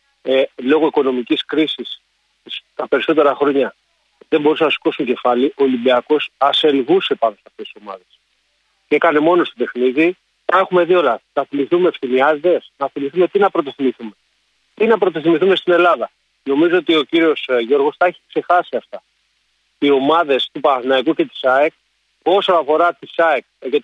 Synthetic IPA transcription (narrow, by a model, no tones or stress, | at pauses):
elo̞ɣoiko̞no̞miciskɾisis | st̪ɐpe̞ɾiso̞t̪̬e̞ɾɐxɾo̞ɲɐ | ðembo̞ɾusenɐsi̥ko̞suɲɟe̞fɐliʔo̞limbiɐko̞sɐse̞lɣuse̞pɐndosɐft̪esiso̞mɐ̰ðe̞s | ceekɐne̞mo̞no̞st̪op̪e̞xniði | t̪ɐe̞xume̞ðio̞lɐnɐθimiθumeːfθimiɐzit̪e̞snɐθimiθume̞t̪inɐpɾo̞t̪̬oθimiθume̞ | t̪inɐpɾo̞t̪oθimiθume̞st̪ine̞lɐðɐ | no̞mizoot̪io̞ciɾio̞sʝo̞ɾɣo̞sθɐeçi̥kse̞xɐsiɐft̪ɐ | io̞mɐðe̞st̪upɐθinɐikuce̞t̪i̥sɐek̚ | oso̞nɐfo̞ɾɐt̪isɐekʝet̪